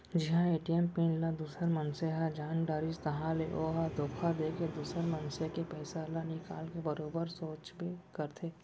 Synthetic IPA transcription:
d͡ʒɪɦãeːʈijɛmpĩːnlad̪uːsəɾmɐnseɦad͡ʒaːnɖaːɾɪd͡ʒt̪ɐɦãleʔoːɦad̪oːkʰad̪eːked̪uːsəɾmɐ̃nsekepɛːsalanɪka̰ːlkebɐɾoːbəɾsoːt͡ʃbekɐɾt̪ʰeː

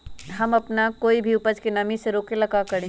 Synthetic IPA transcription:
ɦɐmɐpnakoːibʱiʊpəd͡ʒkenɐmiseɾoːkelɐkakɐɾẽː

